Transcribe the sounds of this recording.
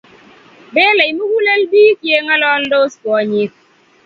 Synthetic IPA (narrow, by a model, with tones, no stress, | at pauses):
be˦le˨i˨mu˦ɡu˦le˦lbiː˦kje˦ŋa˦lɔ˦ldo˦skwɔ˨˦ɲɪ˦k̚